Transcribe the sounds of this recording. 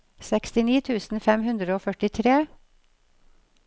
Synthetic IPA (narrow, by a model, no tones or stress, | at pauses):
sɛkst̪ɪniːt̪ʰʉːsn̩fɛmhʉnd̪ɾəoːfœʈɪt̪ʰɾeː